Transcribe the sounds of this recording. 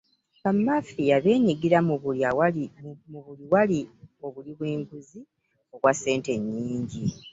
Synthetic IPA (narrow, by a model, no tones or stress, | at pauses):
kamːafijaβe̞ːɲiɡiɾawmuβuliwalio̞βuliβweːŋɡuzi | o̞βwase̞ːnte̞ɲːiːɲɟi